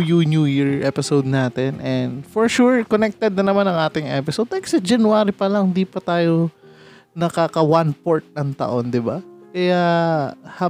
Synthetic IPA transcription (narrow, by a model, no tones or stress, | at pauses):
junjuːjiɹʔɛpɪsowd̪̚naːt̪ɛnʔɛnd̪foɹʃuɹkonɛk̚t̪ɛd̪̚nɐnɐmanɐŋʔaːt̪ɪŋʔɛ̰pɪsod̪̚t̪ɐɛkɐ̥sɛd͡ʒɐnwaːɾipɐlɐŋd̪iːpɐt̪aːjo | nɐkakɐwanpoɹt̪̚nɐŋt̪ɐ̰ʔo̞nd̪ɪbakɐja | hɐ